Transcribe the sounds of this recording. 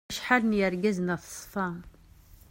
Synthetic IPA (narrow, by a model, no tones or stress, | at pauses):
ʃħalənjəɾɡæznæθsˤfɑ